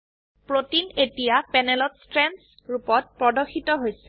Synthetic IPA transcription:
pɹotinetijapɛnɛlɔtstɹɛns | ɹupɔt̚pɹɔdɔxʰitɔɦojsɛ

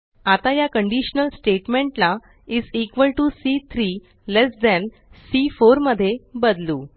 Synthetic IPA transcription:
at̪ajakəɳɖiɕənəlsʈeʈmẽɳʈla | id͡zikʋəlʈusit̪ʰɾi | lesd̪ɛn | sifoɾməd̪ʱːjebəd̪luː

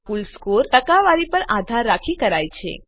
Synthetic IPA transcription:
ulskoɾʈəkaʋaɾipəɾad̪ʱaɾːakʰikəɾajt͡ʃʰḛ

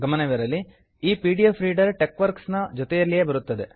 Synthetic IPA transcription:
ɡɐmɐnɐʋiɾɐlːi | iːpiːɖijefʰɾiːɖɐɾʈekʋɐɾksnɐd͡ʒɔt̪ɛjɐlːijeːbɐɾut̪ːɐd̪e

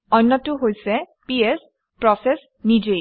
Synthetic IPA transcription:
ɔjnːɔtʊɦojsɛ | piɛs | pɹɔsɛs | nid͡ʒej

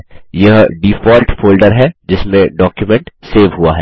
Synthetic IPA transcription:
jɐɦɖifɔːɾʈfoːlɖəɾɦɛd͡ʒɪsmẽɖɔːkjumɛ̃ɳʈseːʋɦuaɦɛː

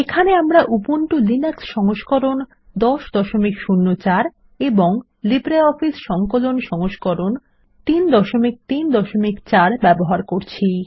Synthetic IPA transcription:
ekʰaneamɾaʔupoɳʈulineksʃɔŋoʃkɔɾon | d̪ɔʃd̪ɔʃomikʃunːot͡ɕaɾ | eboŋ | libɾeɔfisʃɔŋkolonʃɔŋoʃkoɾon | t̪ind̪ɔʃomik̚t̪ind̪ɔʃomikt͡ɕaɾbɛboɦaɾkoɾt͡ɕʰi

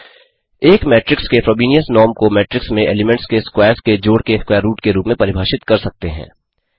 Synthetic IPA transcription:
eːkmɛːʈɾɪkskefɾɔːbiːnijəsnɔːɾmkomɛːʈɾɪksmẽʔeːlɪmɛ̃ɳʈskeskwaːɾsked͡ʒoːɽkeskwɛːɾːuːʈkeɾuːpmẽpɐɾɪbʱaːʃɪt̪kɐɾsɐk̚t̪eɦɛ̰̃ː

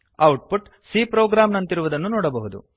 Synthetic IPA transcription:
ɐwʈ̚puʈ | siːpɾoːɡɾaːmnɐnt̪iɾuʋud̪ɐnːunɔːɽɐbɐɦud̪ṵ

